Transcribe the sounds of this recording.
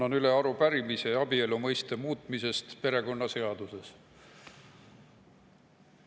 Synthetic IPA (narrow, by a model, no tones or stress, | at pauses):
onyle̞ɑɾupæɾimise̞ɑbie̞lumɤjst̪e̞muːt̪ˑmise̞st̪pe̞ɾe̞ko̞nːɑse̞ɑd̪use̞s